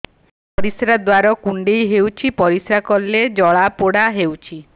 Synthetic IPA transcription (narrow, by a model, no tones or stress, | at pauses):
pɔɾisɾad̪waɾɔkuɳɖejɦewt͡ʃʰipɔɾisɾakɔlːed͡ʒɔɭapoɽaɦewt͡ʃʰi